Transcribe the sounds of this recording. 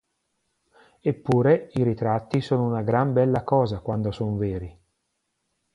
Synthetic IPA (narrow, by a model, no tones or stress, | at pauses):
epːuːɾeiɾit̪ɾat̪ːisoːnounaɡɾambɛlːakɔːzakwand̪osonveːɾi